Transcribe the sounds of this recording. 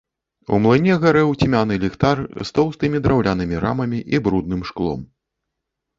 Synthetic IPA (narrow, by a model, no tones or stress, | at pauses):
ṵmlˠɨnʲɛɣaɾɛwt͡sʲimʲanɨlʲixt̪arst̪ɔwst̪ɨmʲid̪ɾawlʲanɨmʲiɾa̰mɐmʲiʔibɾud̪̚nɨmʂklˠɔ̰m